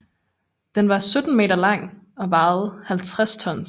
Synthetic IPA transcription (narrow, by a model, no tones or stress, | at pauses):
d̥enʋɑ̈sød̥n̩me̝̰ːdɐlɑ̈ŋ̰ | ɒ̽ʋɑ̈ːð̩ˠhælt͡sʰʁast͡sʰɒ̽n̰